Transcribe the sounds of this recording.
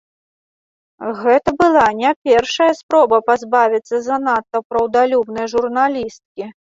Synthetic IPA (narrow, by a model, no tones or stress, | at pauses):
ɣɛt̪ɐbɨlˠanʲɛpʲɛrʂɐjɐspɾɔbɐpazbavʲit̪sːɐzɐnat̪ːɐwpɾɐwd̪alʲubnɨjʐurnalʲist̪̚kʲi